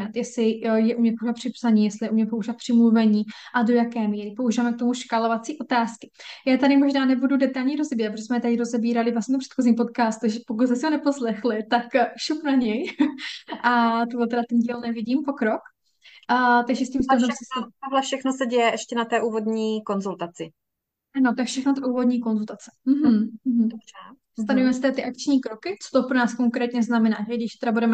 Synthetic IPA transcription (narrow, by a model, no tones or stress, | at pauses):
at̪jɛsɪjɛʔumɲɛt̪̚koɾapr̥ɪpsaɲiːjɛslɪjɛumɲɛpouʒivat̪pr̥ɪmluvɛɲiːʔado̞jakɛːmiːɾɪpouʒivaːmɛk̚t̪o̞muʃkalovat͡siːʔo̞t̪aːskɪ̥jaːt̪aɾɪmoʒnaːnɛbududɛt̪alɲiɾo̞zɛbiːɾat̪pɾoʒɛsmɛt̪adɪɾo̞zɛbiːɾalɪvlasɲɛt̪oprɛ̥t̪xoziːmpo̞t̪̚kaːst̪uʒɛpok̬ut̪smɛsɪɦonɛposlɛxlɪt̪akʃupnaɲɛj | ʔat̪oɦlɛt̪ɛɾat̪ɛnɟiːlnɛvɪɟiːmpokɾok | t̪aɡʒɛscimstaɛsɛt̪oɦlɛfʃɛxnosɛɟɛjɛʔɛʃcɛnat̪ɛːʔuːvod̪ɲiːkonzult̪at͡sɪ | anot̪aɛkfʃɛxnot̪auːvo̞d̪ɲiːko̞nzult̪at͡sɛ̥m̩ɦm̩m̩ɦm̩dorɛ | st̪anovimɛsɪt̪ɛdat̪ɪʔak̚t͡ʃɲiːkɾokɪt͡so̥t̪opɾonaːskoŋkɾɛːt̪ɲɛznamɛnaːʒɛɡdɪʃt̪ɛɾabudɛmɛ